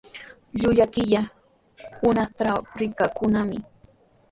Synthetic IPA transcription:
ʎʊʎakɪʎa | hʊnaχt̪aɾɪkakʊnamɪ

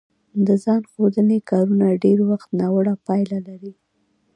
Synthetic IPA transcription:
d̪əzɑnxod̪ənekɑɾunaɖeɾwaxt̪nɑwəɽapɑjlalaɾi

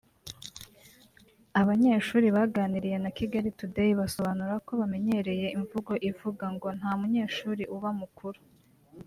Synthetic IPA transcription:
aβaɲe̞ːʃuːɾiβaɡaːniɾije̞nakiɡaɾitudejiβaso̞βanuɾako̞βame̞ɲe̞ɾe̞je̞iɱvuɡo̞ʔivuɡaŋɡo̞n̥haːmuɲe̞ːʃuːɾiʔuβamukʰuɾu̥

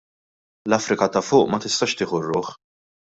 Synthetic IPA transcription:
lɐfɾɪkɐt̪ɐfʊːʔmɐt̪ɪst̪ɐːʃt̪ɪːħʊrːʊːħ

